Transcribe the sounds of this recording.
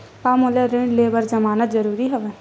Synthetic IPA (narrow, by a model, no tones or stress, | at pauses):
paːmoleɾẽɳɖleːbəɾzəmaːnət̪zəɾuːɾiɦɛʋɛ